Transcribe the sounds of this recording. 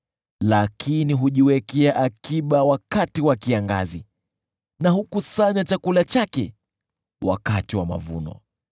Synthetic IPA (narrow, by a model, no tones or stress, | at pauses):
lakʰiniɦuʄiwɛkɛaʔakiɓawakatiwakiaŋɡa̰zi | naɦukusaɲat͡ʃakulat͡ʃakɛ | wa̰katiwama̰vṵnɔ̰